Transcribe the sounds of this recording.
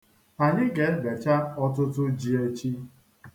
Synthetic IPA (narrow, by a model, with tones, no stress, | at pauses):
a˨ɲɪ˦ɡe˨˦be˨t͡ʃa˦ɔ˦tʊ˦tʊ˦d͡ʒi˦e˦t͡ʃi˦